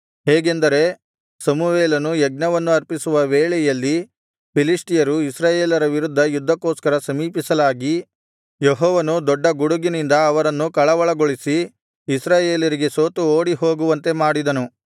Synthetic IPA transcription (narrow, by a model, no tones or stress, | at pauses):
ɦɛːɡe̞nd̪ɐɾe̞ | sɐmuʋeːlɐnujɛɡ̚nɐʋɐnːuɐɾpisuʋɐʋeːɭɛjɐlːi | pilisʈijɐɾuisɾaːjeːlɐɾɐʋiɾud̪ʱːɐjud̪ʱːɐkoːskɐɾɐsɐmiːpisɐlaːɡi | jeɦɔːʋɐnud̪ɔɖːɐɡuɽuɡinind̪ɐːʋɐɾɐnːukɐɭɐʋɐɭɐɡoɭisiː | sɾaːjeːlɐɾiɡe̞soːt̪uoːɽiɦo̞ːɡuʋɐnt̪e̞maːɽid̪ɐnu